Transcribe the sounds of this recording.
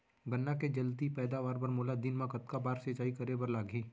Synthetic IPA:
ɡənːaked͡ʒɐlt̪ipɛːd̪aʋaːɾbɐɾmoːlad̪ɪnmãkɐt̪kabaːɾset͡ʃaːikɐɾebəɾlaːɡʱĩː

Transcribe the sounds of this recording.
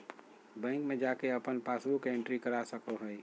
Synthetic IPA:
bɛ̃ːŋkmẽd͡ʒakeəpənpaːsbukeẽɳʈɾikəɾasəkoɦəj

